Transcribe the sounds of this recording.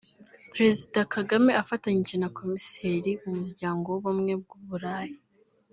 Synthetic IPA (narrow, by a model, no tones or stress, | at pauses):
pɾe̞zidakʰaɡame̞afataɲiʒe̞nako̞mise̞ːɾimumuɾɟaːŋɡo̞woβumŋe̞b̚ɡuβuɾaːji